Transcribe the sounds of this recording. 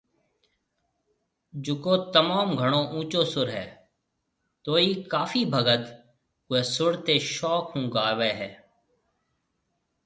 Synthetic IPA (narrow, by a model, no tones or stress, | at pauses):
d͡ʒʊkoːt̪əmaːmɡʱəɳ̃õːʔũːt͡ʃoːsʊɾɦɛ̰ː | t̪oːiːkaːfiːbʱəɡət̪ | kʊeːsʊɽt̪eːʃɔːkɦũːɡaːʋeːɦɛː